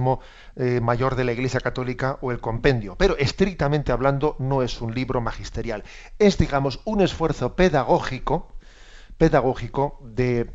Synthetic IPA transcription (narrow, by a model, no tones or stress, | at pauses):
mo̞ | maʝo̞ɾðe̞laiɣle̞sjakat̪o̞likaʔoe̞lko̞mpẽ̞nd̪jo̞pe̞ɾo̞ʔe̞st̪ɾik̚t̪amẽnt̪eaβland̪o̞no̞e̞sunliβɾo̞maxist̪e̞ɾjal | e̞zd̪iɣamo̞sune̞sfwe̞ɾθo̞pe̞ðaɣ̞o̞xiko | pe̞ðaɣ̞o̞xiko̞ðe